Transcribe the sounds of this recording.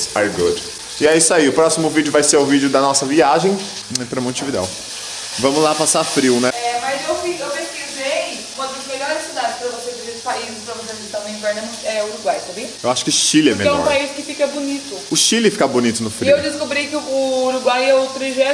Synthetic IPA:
ajɡṵd | ɪaisaiʊpɾɔsimʊvid͡ʒʊvajseʊvid͡ʒʊd̪ɐnɔsɐviaʒẽj̃ | ẽt̪ɾɐmõt͡ʃivid̪ɛ̰w | vɐ̃mʊzlapasafɾiwnɛɛmɐzewfiewpeskizej | ũmɐd̪ɐzmelɔɾɾɪsid̪ad͡ʒɪspɾɐvoseviɾespaizɪspɾɐvoseɐsɪst̪ãnʊ̃ĩvɛɾnɐmũɛʊɾuɡwajsɐbiɐewaʃʊ̥kɪʊʃilɪɛmeɛ̃ɔɾpaiskɪfikɐbonit̪ʊʊʃilɪfi̥kabonit̪ʊnʊfɾiewd̪ɪskobɾikɪʊːɾuɡwajɛʊt̪ɾiʒɛ

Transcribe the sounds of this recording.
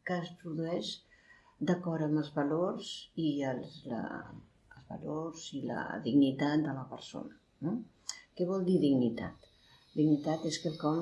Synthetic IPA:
kəspɾuðuɛʃ | d̪əkɔɾəməlˠzβəlorziəlˠlə̰ː | lˠzβə̰lorzilə̰ðiɡnit̪at̪̚d̪ələpəɾso̰nə | no | kɛβɔlˠd̪iðiɡnit̪a̰t̪ | d̪iɡnit̪at̪eskəlˠkɔm

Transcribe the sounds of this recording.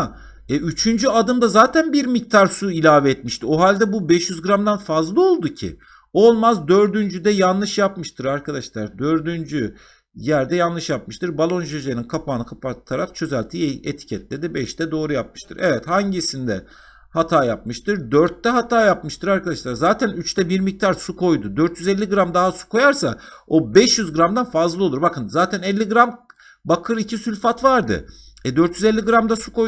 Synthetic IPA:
a | ɛyt͡ʃʰynd͡ʒyad̪ɯmd̪azaːt̪ʰænbiɾmic̚t̪ʰaɾsuilʲaːvɛːt̪miʃt̪ʰio̞ɦalʲd̪ɛbubɛʃjyzɡɯɾamd̪anfazlˠɯo̞lˠd̪ucʰḭ | o̞lˠmazd̪ø̞ɾd̪ynd͡ʒyd̪ɛjanlˠɯʃjapmɯʃt̪ʰɯɾaɾkʰad̪aʃlˠaɾd̪ø̞ɾd̪ynd͡ʒy | jæɾd̪ɛjanlˠɯʃjap̚mɯʃt̪ɯɾbalˠo̞nʒøʒeninkʰapʰaːnɯkʰapat̪ʰaɾakt͡ʃʰø̞zælʲt̪ʰieḛt̪ʰi̥cʰɛt̪lʲe̞d̪ibɛʃt̪ʰɛd̪o̞ːɾujap̚mɯ̥ʃt̪ʰɯɾʔevɛt̪haɲɟisind̪ɛ | hat̪ʰaːjap̚mɯʃt̪ɯɾd̪øɾt̪ːɛɦat̪ʰaːjapmɯʃt̪ʰɯɾaɾkʰad̪aʃlˠaɾzaːt̪ʰænyt͡ʃt̪ʰɛbiɾmic̚t̪ʰaɾsukʰo̞jd̪ud̪øɾt̪jyzɛlʲːiɡɯɾamd̪aɦasu̥kʰo̞jaɾsao̞bɛʃjyzɡɯɾamd̪anfazlˠɯo̞lˠuɾbakɯnzaːt̪ʰænɛlʲːiɡɯɾam | bakʰɯɾicʰisylʲfat̪vaɾd̪ɯ̰ | ɛd̪ø̞ɾt̪jyzɛlʲːiɡɯɾamd̪asukoj

